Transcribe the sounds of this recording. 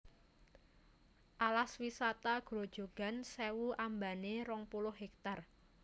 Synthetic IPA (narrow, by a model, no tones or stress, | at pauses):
ʔalaswisat̪aɡ̥ɾod̥ʒ̥o̤ɡ̥a̤nsewuʔambaneɾɔŋpulʊhɦɦɛk̚t̪ar